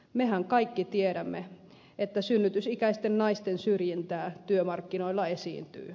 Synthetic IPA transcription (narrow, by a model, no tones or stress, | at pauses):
mehæŋkɑikːit̪ieɾæmːe | et̪ːæsynːyt̪ysikæist̪ennɑist̪ensyrjint̪æːt̪yømɑrkːinoilːɑesḭːnt̪y̰ː